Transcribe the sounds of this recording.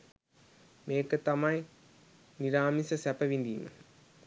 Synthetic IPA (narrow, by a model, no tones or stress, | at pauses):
meːkːɨt̪ːɐmaːj | niɾaːmisɐsɛpɐʋind̪imɨ̰